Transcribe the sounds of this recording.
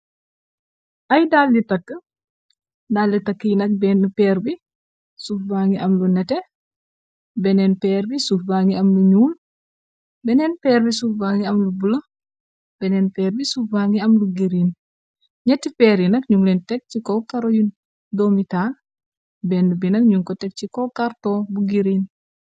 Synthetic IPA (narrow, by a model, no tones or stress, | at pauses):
ʔɐjdalditɐkːə | dalditɐkːijnɐk̚bɛːnːəpɛːɾbi | sufbaŋɡiʔɐmlunɛtɛ | bɛnɛnpɛːɾbisufbaːŋɡiɐmluɲuːl | bɛnɛnpɛːɾbisufbaːŋɡiɐmlubulɐ | bɛnɛnpɛːɾbisufbaŋiɐmluɡiɾin | ɲɐtːipɛɾinɐkɲulɛntɛk̚t͡ʃikɔkaɾojun | domital | bɛndubinɐkɲuːŋkɔtɛk̚t͡ʃikɔkaɾtɔbuɡiɾin